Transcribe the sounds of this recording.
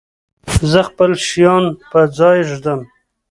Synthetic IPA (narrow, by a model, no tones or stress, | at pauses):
zəxpəlʃijɑnpəd͡zɑjʒd̪əm